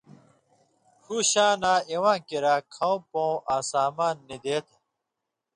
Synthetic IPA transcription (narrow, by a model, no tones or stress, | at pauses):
hʰuɕãːnãːewãːkiɾaːkʰãõpõːʔaːsaːmaːnːid̪eːt̪ʰe